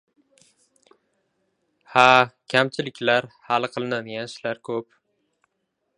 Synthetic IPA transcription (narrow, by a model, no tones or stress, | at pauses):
hakʲʰamt͡ʃʰɪlɪkʲlaɾhalˠqʰɨlˠɨnanjanʃlaɾkʲʰɵp